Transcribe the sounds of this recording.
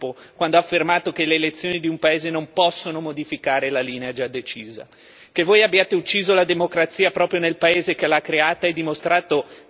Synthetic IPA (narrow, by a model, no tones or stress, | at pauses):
po | kwand̪oafːermaːt̪okeleːlet̪sːjoːnid̪iumpaeːzenompɔsːonomod̪ifikaːɾelaliːnead͡ʒad̪et͡ʃiːza̰ | kevoːjabːjaːt̪eut͡ʃːiːzolad̪emokɾat̪sːiːapɾɔːpɾjonelpaeːzekelaakːɾeaːt̪aɛd̪ːimost̪ɾaːt̪o